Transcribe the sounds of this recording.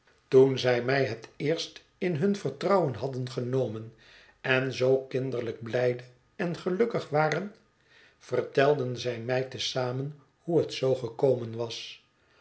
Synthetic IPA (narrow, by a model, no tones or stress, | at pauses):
tunzɛjmɛjɦətɪːɹst | ɪnɦɵnvərtrɑwənɦɑdənχənowmən | ɛnzowkɪndəɹləɡ̚blɛjdə | ɛnχəlɵkəχʋaːrən | v̥ərtɛlˠdənzɛjmɛjtəsaːmən | huɦətsowχəkowmənʋɑs